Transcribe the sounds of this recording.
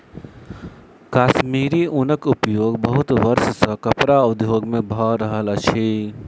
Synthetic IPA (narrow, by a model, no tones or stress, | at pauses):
kaːʃmiːɾiʔʊnəkʊpjoːɡbɐɦʊt̪ʋɐɾʃsəkɐpɾaʊd̪joːɡmẽbʱɔːɾəɦələt͡ʃʰeː